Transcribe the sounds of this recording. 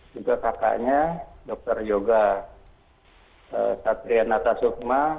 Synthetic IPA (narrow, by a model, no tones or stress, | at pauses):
d͡ʒuɡakaka̰ɲadɔk̚t̪ərjoɡa | əsat̪ɾianat̪asuk̚ma